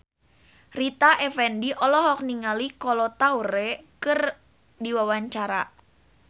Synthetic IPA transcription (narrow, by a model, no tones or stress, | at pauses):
rit̪aʔefɛndiʔɔlɔɦɔk̚niŋalikɔlɔt̪auɾekɨr | diwawaɲt͡ʃaɾa